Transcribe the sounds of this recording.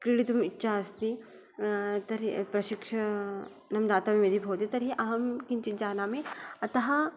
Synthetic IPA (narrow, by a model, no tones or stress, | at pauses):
kɾiɽit̪umitːʃʰaɐst̪i | t̪ɐɾipɾɐʃikʂɐ | nɐmd̪aːt̪ɐmiʋid̪ʱibʱoːt̪it̪ɐɾɦiʔɐɦɐmkint͡ʃid͡ʒaːnaːmiɐt̪ɐɦɐ̆